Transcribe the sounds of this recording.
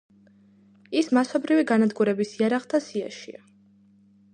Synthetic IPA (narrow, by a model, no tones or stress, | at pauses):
ismasɔbɾiviɡanad̪ɡuɾɛbisiaɾaχt̪ʰasia̰ʃḭa̰